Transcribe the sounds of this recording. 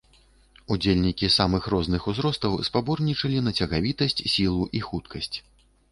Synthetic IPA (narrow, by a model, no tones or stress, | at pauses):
ud͡zʲelʲnʲikʲisamɨxrɔznɨxuzɾɔst̪ɐwspabɔrnʲit͡ʂɐlʲinɐt͡sʲɐɣavʲit̪ɐsʲt͡sʲsʲilˠuʔixut̪kɐsʲt͡sʲ